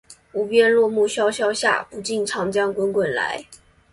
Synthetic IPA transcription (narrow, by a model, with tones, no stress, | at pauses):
u˨˧˥pjɛ˥nlwɔ˥˧mu˥˩ɕjɑ˥ʊɕjɑ˥ʊɕja̰˥˩pu˧˥t͡ɕi˥˩nʈ͡ʂʰɑ˧˥ŋʈ͡ʂjɑ˥˩ŋkwə˥nkwə˨˩nla̰˧˥ɪ